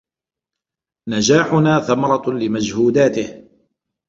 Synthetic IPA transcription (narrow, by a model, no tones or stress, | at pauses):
nad͡ʒaːħʊnaːθamɑɾˤɑlɪmad͡ʒhuːd̪aːt̪ɪh